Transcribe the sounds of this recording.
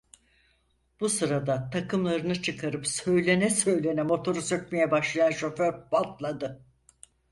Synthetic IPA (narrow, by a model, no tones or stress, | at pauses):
b̥usɯɾad̪at̪ʰakɯmlˠaɾɯnɯt͡ʃʰɯkʰaɾɯpsø̞jlʲe̞nɛsø̞jlʲe̞nɛmo̞t̪ʰo̞ɾusøcmejɛbaʃlˠajanʃo̞føɾbalˠt̪lˠad̪ɯ